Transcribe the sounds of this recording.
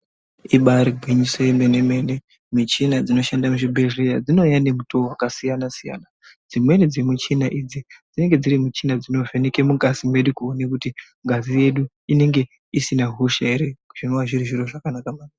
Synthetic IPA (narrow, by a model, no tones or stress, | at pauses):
iɓaɾiɡʱwiɲisojemene̞me̞ne̞ | mit͡ʃinad͡zino̞ʃandamuʐibʱerijad͡zino̞jane̞mutowakasijanasija̰na | d͡zimwe̞ned͡zimut͡ʃinaʔid͡zid͡zine̞ŋɡe̞d͡ziɾimut͡ʃinad͡zino̞ve̞neke̞muɡʱazimwe̞ɗukuonekuti | ŋɡʱazije̞ɗu | ine̞ŋɡe̞ | isinaɦuʃeeɾeuʐ̥inowaʐiriʐiro̞ʐakanakamaːn